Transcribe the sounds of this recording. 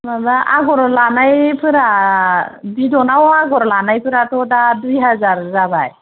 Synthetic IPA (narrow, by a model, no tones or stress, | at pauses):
mabaʔa̰ɡɔɾlanajpʰɯɾa | b̪id̪ɔnawɔaɡɔɾlanajpʰɯɾat̪od̪ad̪ʋiɦad͡zaɾd͡zabaj